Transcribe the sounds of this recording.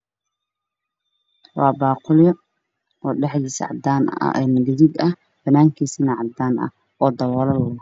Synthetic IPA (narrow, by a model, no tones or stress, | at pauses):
wɑːbɑːqʊljɔ | ɔːɖɛħðiːsʕɑ̰d̪aːnɐ̰ʔɛːnɐdɪðɪd̪ɐh | b̥ɐnaːŋkʰiːsinɐʕɑd̪aːnɐ̰ | ɔːd̪ɐwɔːlɐlːnɐ